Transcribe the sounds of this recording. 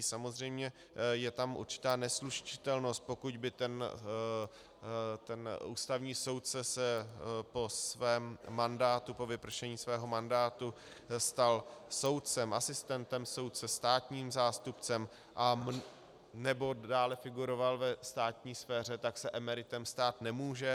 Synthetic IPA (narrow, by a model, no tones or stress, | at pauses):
samozr̝ɛjmɲɛ | jɛt̪amʔṵɾt͡ʃɪ̥t̪aːnɛsluʃt͡ʃɪ̥t̪ɛlno̞st̪̚po̞kuɟbɪt̪ɛn | t̪ɛnuːst̪avɲiːso̞wt̪̚t͡sɛsɛpo̞svɛːmːandaːt̪upo̞vɪpr̩ʃɛɲiːsvɛːɦo̞mandaːt̪u | st̪also̞wt̪̚t͡sɛmʔasɪst̪ɛnt̪ɛmso̞wt̪̚t͡sɛst̪aːt̪ɲiːmzaːst̪upt͡sɛm | ʔam | nɛbo̞daːlɛfɪɡuɾo̞valvɛst̪aːt̪ɲiːsfɛːr̝ɛt̪aksɛʔɛmɛɾɪt̪ɛmst̪aːt̪nɛmuːʒɛ